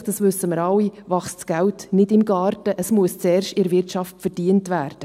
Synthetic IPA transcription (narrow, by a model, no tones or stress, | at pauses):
d̥ɑsʋʏsːəməɾɑwːivɑχst͡sɡ̥æwtnɪdɪmɡɑːɾtəʔəsmuəst͡sɛːrʃtɪɾvɪrtʃɑftfəɾd̥iəntvæːɾd̥ə